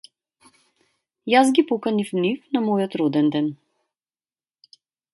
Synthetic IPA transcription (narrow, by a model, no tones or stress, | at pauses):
jazɡipɔkanifnifnamɔjɔt̪ɾɔd̪ɛnd̪ɛn